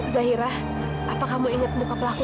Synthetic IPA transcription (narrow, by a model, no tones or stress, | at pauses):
zaɦiɾah | ʔapakamuiŋət̪̚mukapəlaku